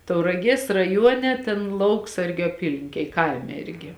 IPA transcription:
tɐʊrɐˈɡʲiɛs rɐˈjuɔnʲɛ ˈtʲeːn ˈlˠɐʊksɐrʲɡʲʊ ɐˈpʲiːlʲɪŋʲkʲeːj ˈkɐɪmʲɛ ˈɪrʲɡʲɪ

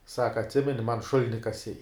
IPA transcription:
ˈsɑːkɐ ɐtʲˈsʲɪmʲɛnʲɪ mɐn ˈʃʊlʲɪnʲɪ kɐˈsʲɛɪ

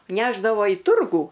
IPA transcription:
ˈnʲæːʒdɐʋoː iː ˈtʊrɡuː

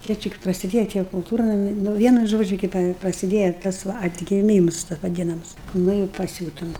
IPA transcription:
ˈjiɛ ˈt͡ʃʲɛ k prɐsʲɪˈdʲeːjɛ tʲiɛ kʊlˠˈtuːrnɐmʲɪ nʊ ˈʋʲiɛnʊ ˈʒoːd͡ʒʲʊ ˈkɐɪp prɐsʲɪˈdʲeːjɛ ˈtɐs ʋɐ ɐdʲɡʲɪˈmʲiːms tɐ ʋɐˈdʲɪnɐms ˈnʊ ɪ pɐˈsʲuːtʊm

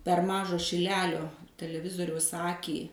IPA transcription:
pʲɛr ˈmɑːʒɑː ʃʲɪˈlʲæːlʲoː tʲɛlʲɛˈʋʲɪzoːrʲɛʊs ˈɑːkʲiː

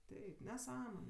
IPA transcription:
ˈtʲɛɪp nʲɛˈsɑːmoːnʲɛ

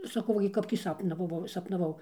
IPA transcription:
sɐˈkɐʊ ˈʋɐ ɡʲɪ ˈkɐp tʲiː ˈsɑːpnɐʋɐʋɐʊ sɐpnɐˈʋɐʊ

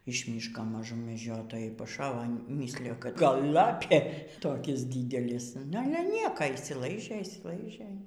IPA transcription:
ɪʃ ˈmʲiːʃkoː mɐˈʒʊm mʲɛˈd͡ʒʲoːtoːjɛɪ pɐˈʃɑːʋoː ˈmʲiːsʲlʲɪjoː kɐt ˈɡɐlˠ ˈlˠɑːpʲeː ˈtoːkʲɪs ˈdʲiːdʲɛlʲɪs nʊ ˈɑːlʲɛ ˈnʲiɛkoː ɪʃʲsʲɪˈlˠɐɪʒʲeː ɪʃʲsʲɪˈlˠɐɪʒʲeː

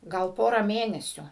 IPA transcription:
ˈɡɐlˠ ˈpoːrɐ ˈmʲeːnʲɛsʲʊ

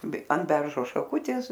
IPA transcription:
bʲɛ ɐn ˈbʲɛrʒoː ʃɐˈkʊtʲeːs

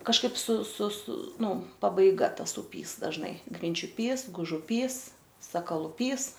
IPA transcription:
kɐʃˈkɐɪp sʊ sʊ sʊ ˈnʊ pɐbɐɪˈɡɐ ˈtɐs ʊˈpʲiːs dɐʒˈnɐɪ ɡrʲɪnʲt͡ʃʲʊˈpʲiːs ɡʊʒʊˈpʲiːs sɐkɐlˠʊˈpʲiːs

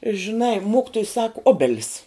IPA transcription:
ʒʲɪˈnɐɪ ˈmoːkʲɪtoːj sɐk ˈoːbʲɛlʲɪs

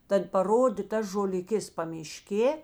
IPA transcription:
ˈtɐt pɐˈroːdʲeː ˈtɐs ʒoːlʲɪˈkʲeːs pɐmʲɪˈʃʲkʲeː

